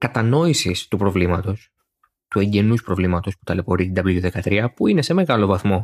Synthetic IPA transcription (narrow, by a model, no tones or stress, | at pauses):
kɐt̪ɐno̞isist̪upɾo̞vlimɐt̪o̞s | t̪ue̞ɲɟe̞nuspɾo̞vlimɐt̪o̞spu̥t̪ɐle̞po̞ɾit̪id̪ɐblujuðe̞kɐt̪ɾiɐpuine̞se̞me̞ɣɐlo̞vɐθmo̞